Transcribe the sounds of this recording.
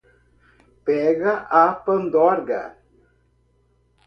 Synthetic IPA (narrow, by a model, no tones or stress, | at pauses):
pɛɣaʔapənd̪ɔɾɡa̰